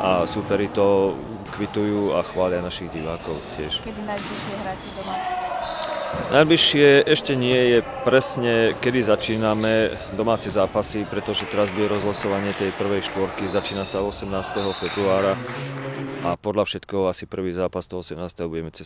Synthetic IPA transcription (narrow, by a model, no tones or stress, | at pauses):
ʔasupɛɾit̪ɔ | kʋit̪ujuːaxʋaːlɪanaʃiɣɟiʋaːkɔʊcɪɛʃkd̪inajbliʃɪɛɦɾacid̪ɔma | nʔajbliʃɪɛʔɛʃcɛɲɪɛjɛpɾɛsɲɛkɛd̪izat͡ʃiːnamɛ | d̪ɔmaːt͡sɛzaːpasipɾɛt̪ɔʒɛt̪ɛɾazbuɟɛɾɔzɦlasɔʋaɲɪɛt̪ɛjpr̩ʋɛjʃt̪ʋɔɾkizat͡ʃiːnasaɔsɛmnaːst̪ɛɦɔfɛbɾuaːɾa | ʔapɔd̪lʎafʃɛt̪kɛɦasipr̩ʋiːzaːpast̪ɔɦɔɔsɛmnaːst̪ɛɦɔbuɟɛmɛt͡sɛs